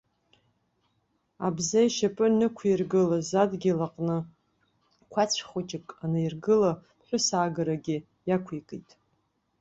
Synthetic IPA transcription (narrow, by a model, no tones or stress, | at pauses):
a̰bzajʃapʼɨnɨkʷʰirɡɨlazadɡʲilaqʼnɨ | kʷʰat͡ɕʷʰχʷʊt͡ʃʼɪkʼanajrɡɨla | ħʷᶣʊsaːɡaɾaɡʲɪ | jakʷʰikʼitʼ